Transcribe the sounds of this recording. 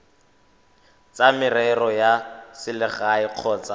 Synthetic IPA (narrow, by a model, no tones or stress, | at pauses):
t͡sʼamɪrɛrɔjasɪlɪχaɪq͡χʰɔːt͡sa